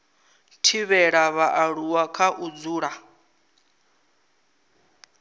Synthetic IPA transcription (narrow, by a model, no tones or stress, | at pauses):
tʰiβɛɺaβaʔaɺuwakʰaʔud͡zuːɺa